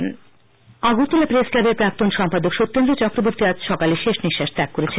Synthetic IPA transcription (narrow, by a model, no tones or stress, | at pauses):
aɡut̪ulapɾesklabeɾpɾak̚t̪onʃɔmpad̪okʃot̪ːond̪ɾet͡ɕɔkɾoboɾt̪iad͡ʑʃɔkaliʃeʃniʃːaʃt̪akːoɾet͡ɕʰen